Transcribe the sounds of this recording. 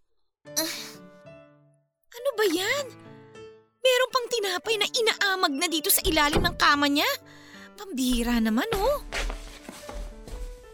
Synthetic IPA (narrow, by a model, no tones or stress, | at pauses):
ʔ | ʔɐno̞bɐjan | mɛːɾo̞npɐŋt̪ɪnaːpɐjnɐʔɪnaʔaːmɐɡ̚nɐd̪iːt̪o̞sɐʔɪlaːlɪmnɐŋkaːmɐɲa | pɐmbɪiːɾanɐmano̞